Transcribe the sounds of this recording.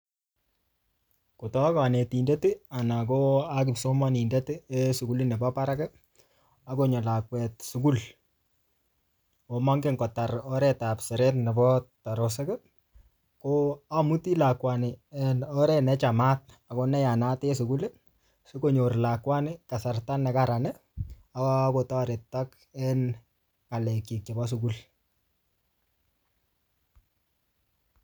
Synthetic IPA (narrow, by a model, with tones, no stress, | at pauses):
ko˨tɔ˦a˦kɔ˨ne˨ti˨nde˦ti˦a˨na˨ko˦a˦k̬ɪ˨so˦ma˦ni˨nde˦tɪ˦e˦su˨ku˦lɪ˦nɛ˨bɔ˦pa˦ɾa˦kɛ˦ | a˦ko˦ɲo˨la˨kwɛ˨t̚su˨ku˦l | o˨ma˦ŋɡe˦ŋɡɔ˨ta˨ɾɔ˦ɾɛ˦ta˨psɛ˨ɾɛ˦tnɛ˨bɔ˦ta˨ɾo˨s̬ɛ˦kɛ˦ | koa˦mu˦ti˦la˨kwanɪ˨ɛnɔɾɛ˦nɛ˦t͡ʃa˨ma˦t̚a˨ko˦nɛ˦ja˨na˦te˦su˨ku˦le˦ | su˦ko˨ɲo˨rla˨kwa˦nɪ˦ka˨sa˨rta˦nɛ˨kaɾa˨nɛ | a˦kota˦aɾe˨tːak | ɛ˦n | ŋa˨lɛ˨ki˨k̚t͡ʃa˨bɔ˦s̬u˨ku˦l